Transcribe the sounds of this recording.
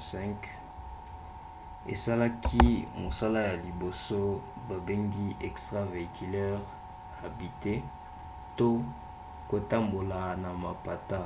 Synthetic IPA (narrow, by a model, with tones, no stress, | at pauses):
sɛ̃˦ŋk | ḛ˨sa˦la˦kʰi˦mo˨sa˦la˦ja˨li˨bo˨so˦ | ba˨be˦ŋɡi˦ʔɛ˨kstʁa˦ve˨i˨kʰi˨lɛ˦ʁ | a˨bi˨te˦ | to˦ | ko˨ta˦mbo˨la˨na˨ma˨pa˨ta˦